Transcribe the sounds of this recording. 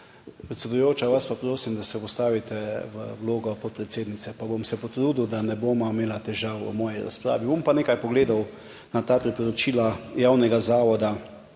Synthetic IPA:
pɾɛt̪sɛd̪ujoːt͡ʃaʋaspapɾoːsimd̪asɛpɔst̪aːʋit̪ɛʋə̰wloːɡɔpɔt̪̚pɾɛt̪seːd̪nit̪sɛpabomsɛpɔt̪ɾuːd̪ud̪anɛboːmameːlat̪ɛʒaːwṵmɔːjiɾa̰spɾa̰ːʋibompaneːkajpɔɡleːd̪aw | nat̪aːpɾipɔɾɔt͡ʃiːlajawnɛɡazaːʋɔd̪a

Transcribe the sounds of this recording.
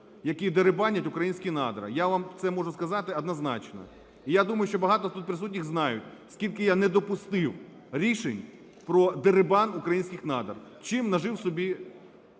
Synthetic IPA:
jɐkʲid̪eɾɪbɑnʲːɐtʲʊkɾɐjinʲsʲkʲinɑ̰d̪ɾɐ̰jaʋamt̪sɛmɔʐʊskɐzɑt̪ɪɐd̪nɐznɑ̰t͡ʃnɔ̰ | ijad̪umɐjʊʃt͡ʃɔbɐɦɑt̪ɔt̪ut̪̚pɾɪsutʲnʲiɣznɑjʊtʲskʲilʲkɪjanɛd̪ɔpʊst̪ɪw | ɾʲiʃenʲ | pɾɔd̪eɾɪbɑnukɾɐjinʲsʲkʲɪxnɑd̪ɐ̰r | t͡ʃɪmnɐʒɪwsɔbʲi

